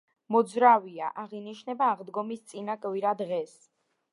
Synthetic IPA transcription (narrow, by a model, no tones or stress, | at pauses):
mɔd̪zɾaviaʔaʁiniʃnɛbaːʁd̪ɡɔmist̪sʼinakʼviɾad̪ʁɛs